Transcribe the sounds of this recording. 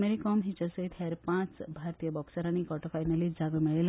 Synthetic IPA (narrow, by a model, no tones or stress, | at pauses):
meɾikɔmɦit͡ʃəsəit̪heɾpãt͡sbʱaɾt̪ijəbɔksəɾanikɔʈɔfajnalid͡zaɡəmiɭel